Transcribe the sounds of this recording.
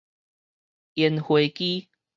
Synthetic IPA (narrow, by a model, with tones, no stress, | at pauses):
jɛ˨˦nxwe˨˦jki˦